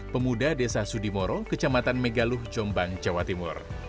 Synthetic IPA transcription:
pəmudadesasudimoɾokət͡ʃamat̪anmeɡalʊhd͡ʒɔmbaŋd͡ʒawat̪imʊ̰r

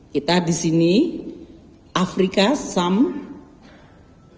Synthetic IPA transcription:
kit̪adisini | ʔafɾikasam

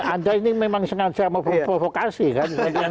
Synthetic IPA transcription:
andainimemaŋsəŋad̥ʒ̥aməvopɾovokasikansa

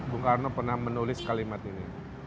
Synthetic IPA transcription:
buŋkarnopərnahmənulɪskalimat̪ini

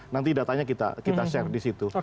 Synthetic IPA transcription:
nant̪idat̪aɲakit̪a̰kit̪aʃɛrdisit̪u

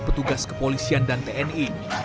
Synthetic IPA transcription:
pət̪uɡaskə̥polisiandant̪eɛni

